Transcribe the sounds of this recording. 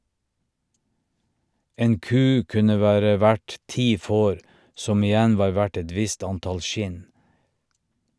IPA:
ˈeːn ˈkʉː ˈkʉnə ˈʋæːɾə ˈʋæɖ ˈtiː ˈfoːɾ ˈsɔm ɪˈjɛn ˈʋɑːɾ ˈʋæʈ ˈɛt ˈʋɪst ˈɑnˌtɑl ˈʃɪn

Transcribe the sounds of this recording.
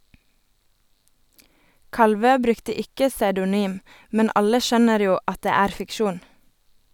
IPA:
ˈkɑlˌʋøː ˈbɾʉktə ˈɪkə sɑʉdʊˈnyːm ˈmɛn ˈɑlə ˈʃœnəɾ ˈjuː ˈɑt ˈdeː ˈæːɾ fɪkˈʃuːn

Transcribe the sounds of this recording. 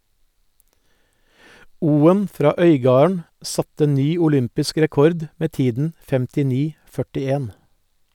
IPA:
ˈuːən ˈfɾɑː ˈœʏˌɡɑːɳ̩ ˈsɑtə ˈnyː ʊˈlʏmpɪsk ɾɛˈkɔɾd ˈmeː ˈtiːdn̩ fɛmtɪˈniː ˈkɔmɑ ˈfœʈɪˌeːn

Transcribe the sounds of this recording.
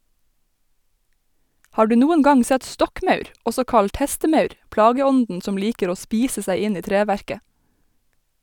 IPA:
ˈhɑː ˈɖʉː ˈnuːən ˈɡɑŋ ˈsɛt ˈstɔkˌmœʉɾ ˈʔɔsɔ ˈkɑʎt ˈhɛstəˌmœʉɾ ˈplɑːɡəˌɔndn̩ ˈsɔm ˈliːkəɾ ˈoː ˈspiːsə ˈsæɪ ˈɪn ˈiː ˈtɾeːˌʋæɹkə

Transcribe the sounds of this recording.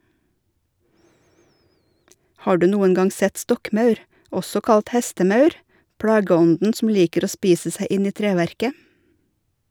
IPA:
ˈhɑː ˈɖʉː ˈnuːən ˈɡɑŋ ˈsɛt ˈstɔkˌmɑʉɾ ˈɔsɔ ˈkɑlt ˈhɛstəˌmɑʉɾ ˈpɽɑːɡəˌɔndn̩ sm̩ ˈliːkəɾ ˈoː ˈspiːsə ˈsæɪ ˈʔɪn ˈiː ˈtɾeːʋæɾkə

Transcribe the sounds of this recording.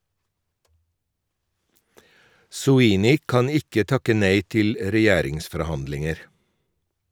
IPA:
sʊˈiːnɪ ˈkɑn ˈɪkə ˈtɑkə ˈneɪ ˈtɪl ɾɛˈjæːɾɪŋsfɔɾˌhɑndlɪŋəɾ

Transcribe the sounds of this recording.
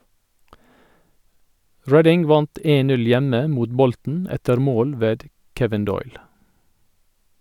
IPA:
ˈɹɛdɪŋ ˈʋɑnt ˈeːn ˈtɪl ˈnʉl ˈjɛmə ˈmuːt ˈbɔltn̩ ˈɛtəɾ ˈmoːl ˈʋeːd ˈkɛʋɪn ˈdɔʏl

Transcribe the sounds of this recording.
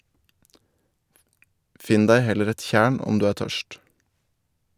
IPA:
ˈfɪn ˈdæɪ ˈhɛləɾ ˈɛt ˈçæːɳ ˈɔm ˈdʉː ˈæːɾ ˈtœʃt

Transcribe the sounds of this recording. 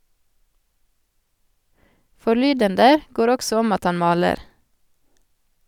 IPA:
fɔˈɭyːdəndə ˈɡoːɾ ˈɔksɔ ˈɔm ˈɑt ˈɑn ˈmɑːləɾ

